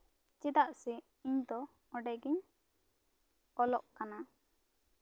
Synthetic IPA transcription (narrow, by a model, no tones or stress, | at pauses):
t͡ʃɛd̪aʔsɛ | iɲd̪ɔ | ɔɖɛɡiɲ | ɔlɔʔkana